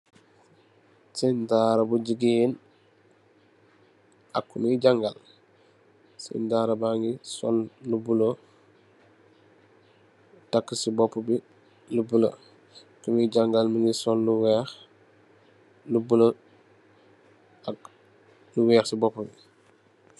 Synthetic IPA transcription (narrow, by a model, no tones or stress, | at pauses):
sintaɾabuɟiɡin | akːuniiɟaŋɡal | sḭntaːɾabaŋɡisɔ̰llubulo | takːisibɔpːubi | lubula̰ | kumiiɟaŋɡalmiŋɡisolːuwɛx | lubulo | ak | luwɛːxsibɔpːobi